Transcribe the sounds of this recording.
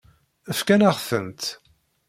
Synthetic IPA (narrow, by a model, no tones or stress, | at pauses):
əfkænaʁθənt̪